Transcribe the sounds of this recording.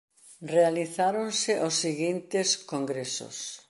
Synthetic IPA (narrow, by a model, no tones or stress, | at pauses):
realiθaɾõnsɪʔosːiɣint̪ɪskoŋɡɾeso̰s